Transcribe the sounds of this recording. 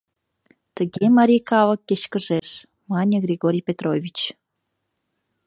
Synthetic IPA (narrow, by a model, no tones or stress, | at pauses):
t̪əɣemɑɾʲijkɑvɤ̆kːeɕkə̆ʒeʃ | mɑnʲə̆ɣrʲiɣoɾʲijpʲet̪rovʲit͡ɕ